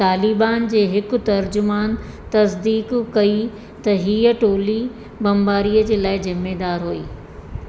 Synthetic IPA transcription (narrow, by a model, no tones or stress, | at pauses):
t̪aːlibaːnd͡ʑeːɦɪkʊ̆t̪ɐɾd͡ʑʊmaːn | t̪ɐsd̪iːkkɐi | t̪ɐɦiːəʈoːli | bɐmbaːɾiːəd͡ʑeːlaːɪzɪmːeːd̪aːɾɦoḭː